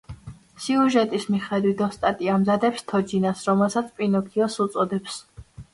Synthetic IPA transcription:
siuʒɛt̪ʼismiχɛd̪wit̪ʰɔst̪ʼat̪ʼiamzad̪ɛpst̪ʰɔd͡ʒinasɾɔmɛlˠsat̪sʰpʼinɔkʰiɔsut̪sʼɔd̪ɛps

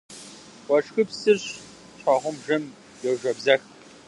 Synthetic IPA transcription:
wɐʈ͡ʂxɨpsɨrɕ | ɕʷʰʼaʁʷʊmʒɨm | jɛwʒʷɐbzɐx

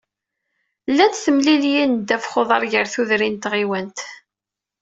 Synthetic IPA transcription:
lːænt̪θəmliljind̪æfχoðˤɑɾˤʝəɾθuðɾint̪ʁiwænt̪

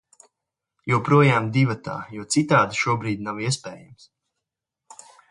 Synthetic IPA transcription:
juwpɾuɔjaːmd̪ivat̪a̰ːjuɔt̪sit̪aːd̪iʃuɔbɾiːd̪ʲnawiɛspɛːjams

